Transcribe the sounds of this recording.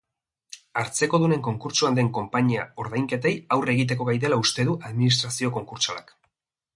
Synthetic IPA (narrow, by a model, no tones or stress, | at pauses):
aɾt͡se̞ko̞ðune̞ŋko̞ŋkuɾt͡ʃuand̪e̞ŋko̞mpaɲiao̞ɾðajŋke̞t̪e̞jawre̞ɣit̪̬e̞ko̞ɣajðe̞laust̪e̞ðuʔaðminist̪ɾasio̞ko̞ŋkuɾt͡sala̰k